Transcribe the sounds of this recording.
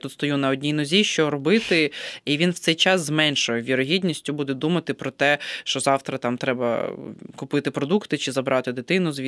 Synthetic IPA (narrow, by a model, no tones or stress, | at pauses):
t̪ut̪st̪ɔjunɐɔdʲnʲijnɔzʲiʃt͡ʃɔɾɔbɪt̪ɪiʋʲinwt̪sɛjt͡ʃɑszmɛnʲʃʊjɛʋʲiɾɔɦʲidʲnʲisʲtʲʊbud̪ɛd̪umɐt̪ɪpɾɔt̪ɛʃt͡ʃɔzɑwt̪ɾɐt̪ɑmt̪ɾɛbɐ̰kʊpɪt̪ɪpɾɔd̪ukt̪ɪt͡ʃɪzɐbɾʔɑt̪ɪd̪ɪt̪ɪnʊzʋʲi